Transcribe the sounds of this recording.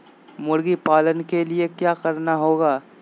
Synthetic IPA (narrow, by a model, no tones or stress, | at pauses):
mʊɽɡipaːlənkeliekjaːkɐɾnaɦoːɡaː